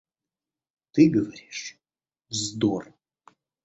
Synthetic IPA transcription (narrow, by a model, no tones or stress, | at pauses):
t̪ɨɡɐvɐɾiʂ | zd̪or